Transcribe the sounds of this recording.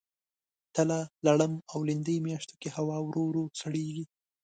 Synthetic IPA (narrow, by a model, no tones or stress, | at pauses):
t̪əlalaɽəmawlɪnd̪əjmjɑʃt̪o̥kehawɑwɾoɾosaɽeɡi